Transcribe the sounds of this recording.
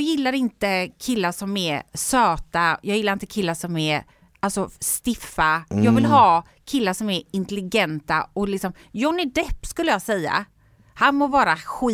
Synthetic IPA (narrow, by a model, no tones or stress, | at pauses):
ɡjɪlːaɾɪnt̪əkʰɪlːaʂɔmɛɾsøːt̪ajɑːɡjɪlːaɾɪnt̪əkʰɪlːaʂɔmɛɾ | alsɔst̪ɪfːajɑːɡvɪlɦɑː | kʰɪlːaʂɔmɛɾɪnt̪əlɪɡɛnt̪aɔlɪksɔm | jɔnːɪd̪ɛpːskɵlːəjɑːsɛjːa̰ | hanmɔvɑːɾaɧi